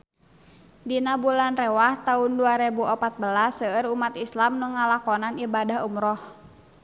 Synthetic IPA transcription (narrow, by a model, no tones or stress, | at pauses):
dinabulanrɛwaht̪aunduaɾebuʔɔpat̪̚bəlasəəɾumat̪islamnəŋalakɔnanibadaɦumɾɔh